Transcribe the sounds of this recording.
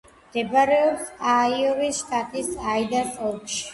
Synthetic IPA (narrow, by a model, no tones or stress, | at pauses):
md̪̥ɛbaɾɛɔpsaiɔvisʃt̪ʼat̪ʼisaid̪aɾsʼɔlkʃi